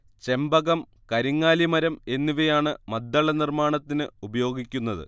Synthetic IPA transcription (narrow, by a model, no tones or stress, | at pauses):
t͡ɕe̞mbɐɣɐm | kɐɾiŋːaːlimɐɾɐme̞nːiʋɐjaːɳɨmɐd̪ːɐɭɐnirmaːɳɐt̪ːinɨubɐjo̞ːɡikʲːunːɐðɨ̰